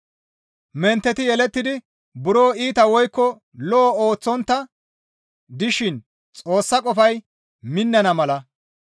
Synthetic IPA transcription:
mɛnt̪ːɛt̪ɪjɛlɛt̪ːɪd̪ɪ | bʊɾo̞ːiːt̪ɐwɔjkːɔ | lɔʔːoːt͡sːɔnt̪ːɐ | d̪ɪʃɪn | t͡sʼo̞ːsːɐkʼɔfɐj | mɪnːɐnɐmɐlɐ

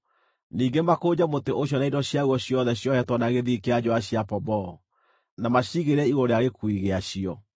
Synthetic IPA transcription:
niːɡemakod͡ʑamoteʔoɕjɔnaidɔɕjaɣwɔɕjɔðɛɕjɔhɛtwɔnaɣeðikead͡ʑoaɕjapɔbɔ | namaɕiɣeɾɛiɣoɾeaɣekuiɣeaɕiɔ

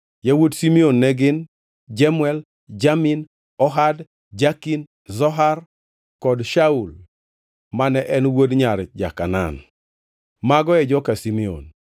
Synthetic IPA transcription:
jawodsimionːɛɡɪn | d͡ʒamʊɛl | d͡ʒamin | ɔɦad | d͡ʒakin | zɔɦar | kɔdʃaul | manɛʔɛnwodɲaɾd͡ʒa̰kana̰n | maɡɔɛd͡ʒɔkasimio̰n

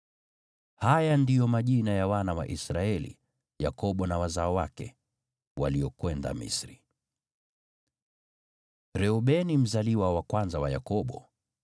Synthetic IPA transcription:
hajandijɔmaʄinajawanawa̰ʔisɾaɛlḭ | jakɔɓɔnawazaɔwakɛ | wa̰liɔkwɛnda̰mḭsɾi | ɾɛuɓɛnim̩zaliwawakwanzawaja̰kɔɓɔ

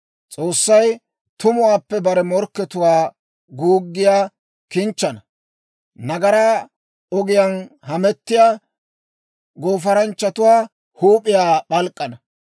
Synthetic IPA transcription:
t͡sʼo̞ːsːɐj | t̪ʊmʊwaːpːɛbɐɾɛmɔɾkːɛt̪ʊwaː | ɡuːɡːɪjaː | kɪnt͡ʃːɐnɐ | nɐɡɐɾaː | ɔɡɪjanhɐmɛt̪ːɪjaː | ɡo̞ːfɐɾɐnt͡ʃːɐt̪ʊwaː | huːpʼːɪjaːɓɐlkʼːɐnɐ

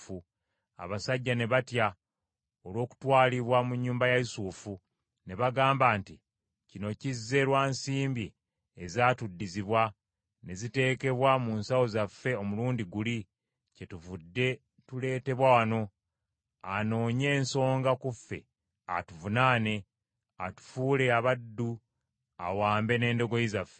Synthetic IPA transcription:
u | a̰βasaɟːane̞βatja | olwo̞ːku̥twaːliβwamuɲːuːmbajaisuːfu | ne̞βaɡaːmbaːnti | cino̞cizːe̞ɾwaːnsiːmbi | ezaːtudːiziβwa | ne̞zite̞ːke̞βwamuːnsawo̞zafːe̞o̞muluːndiɡuli | ce̞tuvudːe̞ | tule̞ːte̞βwawano̞ | ano̞ːɲe̞ːnso̞ːŋɡakufːe̞ | a̰tuvunane̞ | atu̥fuːle̞aβadːu | a̰waːmbe̞ne̞ːndo̞ɡo̞jizafːe

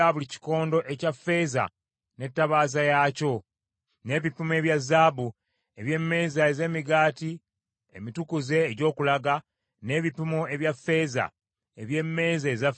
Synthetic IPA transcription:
aβulici̥ko̞ːndo̞ʔe̞cafe̞ːza̰ | ne̞tːaβaːzajaːco̞ | ne̞ːβipume̞βjazːaːβu | e̞βje̞mːe̞ːzaeze̞ːmiɡaːti | ḛmitukuze̞ːɟo̞ːkulaɡa | ne̞ːβipimoe̞βjafːe̞ːza̰ | eβje̞mːe̞ːzaeza

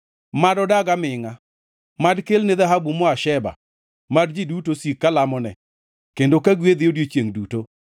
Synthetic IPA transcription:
madɔdaɡamɪŋa | madkelnɪðaɦabumɔaʃɛba̰ | madd͡ʒidutosikːalamɔnɛ̰ | kendokaɡwed̪ɪodjot͡ʃjeŋduto

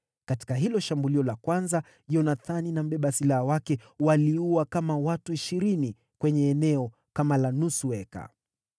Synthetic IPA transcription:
kati̥kaɦilɔʃambuliɔlakwanza | ʄɔnaθaninam̩ɓɛɓasilaawakɛwaliuwakamawatuiʃiɾini | kwɛɲɛːnɛɔ | kamalanusuɛka̰

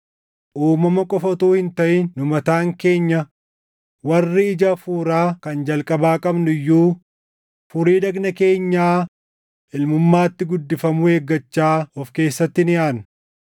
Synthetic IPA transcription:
ʔuːmːɐmɐkʼɔfɐt̪uːhɪnt̪ɐʔɪːʊmɐt̪aːŋke̞ːɲːɐ | wɐrːɪɪd͡ʒɐfuːɾaːkɐnd͡ʒɐlkʼɐbaːkʼɐbnʊjːuː | fʊɾiːd̪ɐɡnɐke̞ːɲːaː | ʔɪlmʊmːaːt̪ːɪɡʊd̪ːɪfɐmʊeːɡːɐt͡ʃːaːɔfke̞ːsːɐt̪ːɪnɪʔaːn

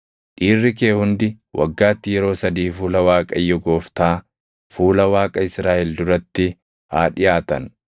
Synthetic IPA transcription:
ᶑiːrːɪkeːhʊnd̪ɪ | wʔɐ̰ɡːaːt̪ːɪjɛɾo̞ːsɐd̪iːfuːlɐwaːkʼɐjːɔɡo̞ːft̪aː | fuːlɐwaːkʼɐɪsɾaːʔɛld̪ʊɾɐt̪ːɪ | haːᶑɪjaːt̪ɐ̰n

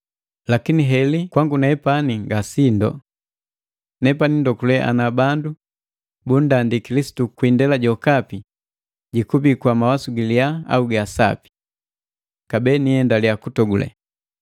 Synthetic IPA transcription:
lakiniɦɛlikwaŋɡunɛɛpaniŋɡasindɔ̰ | nɛpanindɔkulɛʔa̰nabandu | bundandikilisi̥tukwindɛlaɟɔkapi | ɟikubikwamawasuɡiliaa̰uɡasa̰pi̥ | kabɛːniɛndalijakutɔɡulɛ̰

